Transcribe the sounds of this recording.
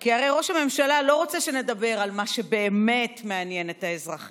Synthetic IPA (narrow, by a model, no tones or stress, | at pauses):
kiaʁejʁo̞ʃhame̞mʃalalo̞ʁot͡seʃe̞ne̞dabe̞ʁalmaʃe̞be̞ːme̞tmeanje̞ne̞taezʁaχi